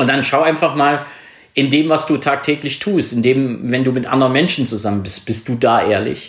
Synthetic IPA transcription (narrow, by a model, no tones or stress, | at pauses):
ʔʊntd̥anʃaʊʔaɪnfaχmaːl | ʔɪndeːmvasd̥uːtʰaːk̚tʰɛːklɪçtʰuːstɪndeːmvɛnduːmɪtʔa̰ndəʁənmɛnʃn̩t͡suzamənbɪst̚b̥ɪst̚d̥uːdaːʔeːɐlɪ̰ç